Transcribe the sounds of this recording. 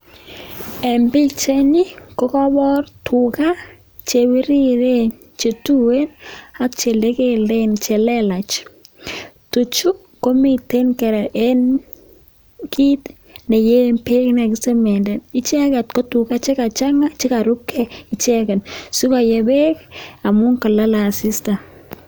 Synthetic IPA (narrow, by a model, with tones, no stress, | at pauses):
ɛ˨mbi˦t͡ʃe˦ni˦ko˦kɔ˦bɔ˦ɾtʊ˨ka˦ | t͡ʃe˨wi˦ɾi˦ɾe˦n | t͡ʃe˨tu˦we˦na˦kt͡ʃe˨le˦ke˦le˦nt͡ʃe˨lɛ˦la˨t͡ʃ | tu˨t͡ʃu˦ | ko˦mi˨te˦nkɛ˨ɾɛ˨ʔe˦n | ki˦t | ne˨je˦mpe˦kna˨kɪ˦se˦mɛ˨ndɛ˨nɪ˦t͡ʃɛ˦kɛ˨tko˦tʊ˨ka˦t͡ʃe˦ka˨t͡ʃa˦ŋa˦t͡ʃe˦ka˨ɾu˦kʰːɛ˦ɪ˨t͡ʃɛ˦kɛ˨nsu˦ka˨jɛ˨be˦ka˨mʊ˦ŋka˨la˦la˨sɪ˦sta˨